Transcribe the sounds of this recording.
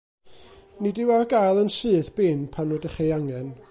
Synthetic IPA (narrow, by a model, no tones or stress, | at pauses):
nidɪwaɡajlˠənsɨːðb̥ɪnpʰanɔdəχejaŋɛn